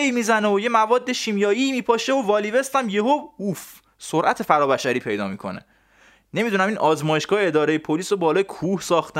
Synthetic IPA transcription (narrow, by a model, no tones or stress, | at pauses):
imiːzæneoje̞mævɒːd̪ːeʃiːmjɒːjiːmiːpʰɒːʃeovɒːlive̞st̪æmjeɦouf | soɾʔæt̪ʰe̞fæɾɒːbæʃæɾiːpʰe̞jd̪ɒ̰ːmikʰo̞̰nḛ | ne̞mid̪unæminʔɒːzmɒːjeʃɡ̥ɒːhee̞d̪ɒːɾejepʰoliːsobɒːlɒːjekʰuːhsɒːxt̪